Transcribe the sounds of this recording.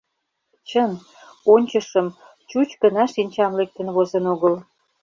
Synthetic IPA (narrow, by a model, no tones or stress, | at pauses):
t͡ɕən | onʲt͡ɕəʃəm | t͡ɕut͡ɕkənɑʃinʲt͡ɕɑmlek̚t̪ə̆nβozə̆noɣəl